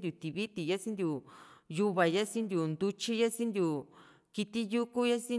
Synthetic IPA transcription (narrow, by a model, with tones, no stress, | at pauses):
nd̪ju˨t̪i˨βi˦t̪i˨ja˦sĩ˦nd̪ʲju˨ju˦βa˨ja˦sĩ˦nd̪ʲju˨nd̪u˧t͡ʃi˦ja˦sĩ˦nd̪ʲju˨ | ki˧t̪i˦ju˦ku˦ja˦sĩ˦